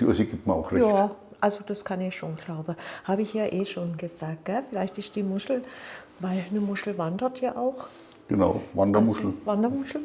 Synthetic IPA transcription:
o̰ziɡiːp̚tmɐa̰ʊxʁɛjçaː | ʔalzod̥askʰanɪçʃoːnɡlaʊbəhaːbəɪçjaːʔeːʃoːnɡəzaːk̚t̚ɡ̥ɛfɪlaɪçtɪstd̥iːmʊʃl̩ | vaɪlnəmʊʃl̩vandɐtʰjaːʔaʊx | ɡ̥əna̰ʊvandɐmʊʃl̩vandɐmʊʃl̩

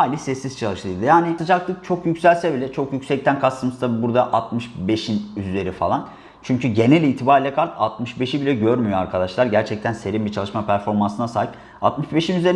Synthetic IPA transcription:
ajlʲisɛsːiz̥t͡ʃʰalˠɯʃlˠɯːd̪ɯjaːnijat̪ʰɯd͡ʒaklˠɯk̚t͡ʃʰo̞kjycsælʲsɛbilʲɛt͡ʃʰo̞kjycsɛc̚t̪ʰænkʰasɯmɯst̪abuɾd̪aʔat̪mɯʃbe̞ʃinyze̞ɾifa̰lˠan | t͡ʃʰyɲcʰyɟe̞nelʲiːt̪ʰibaɾilʲɛkʰaɾt̪ʰa̰t̪mɯʃbe̞ʃibilʲɛɟøɾmyjoaɾkʰad̪aʃlˠaɾɟæɾt͡ʃʰɛc̚t̪ʰænse̞ɾimbit͡ʃʰalˠɯʃmapʰæɾfo̞ɾmansɯnasaːɦip | a̰t̪mɯʃbe̞ʃinyzeɾ

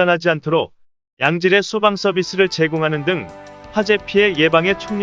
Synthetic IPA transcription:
ʌnɦad͡ʑiantʰoɾok̚ | jaŋd͡ʑiɾe̞sʰubaŋs͈ʰʌbis͈ɯɾɯɭt͡ɕe̞ɡoŋɦanɯndɯŋɸwad͡ʑe̞pʰie̞je̞baŋe̞t͡ɕʰoŋɲ

